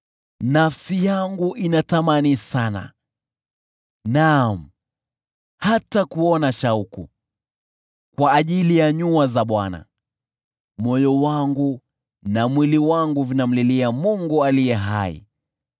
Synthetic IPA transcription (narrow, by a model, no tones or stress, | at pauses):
nafsijaŋɡuʔinatamanisana̰ | nam̩ | hatakuɔnaʃaukṵ | kwaːʄilijaɲuazaɓwa̰na̰ | mɔjɔwaŋɡu | namwiliwaŋɡuvinam̩liliamuŋɡualijɛɦa̰ḭ